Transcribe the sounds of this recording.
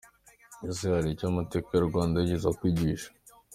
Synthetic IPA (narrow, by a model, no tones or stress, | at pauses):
iziaɾicaːmateːkajoɾɡwaːndaiɟizakwiːɟiʃḁ